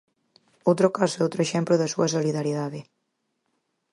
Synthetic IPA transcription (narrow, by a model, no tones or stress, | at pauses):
owt̪ɾokaseowt̪ɾoeʃɛmploðɐsuɐsoliðaɾiðaðe